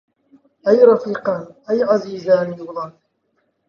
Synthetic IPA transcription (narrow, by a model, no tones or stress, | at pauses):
ʔajɾˤɑfiːqɑnʔajʕaziːzaːnjʊɣðˤɑn